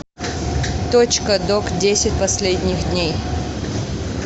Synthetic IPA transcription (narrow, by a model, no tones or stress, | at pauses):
t̪ot͡ɕkəd̪okdʲesʲɪt̚ʲpɐsʲlʲedʲnʲɪxd̪ʲnʲej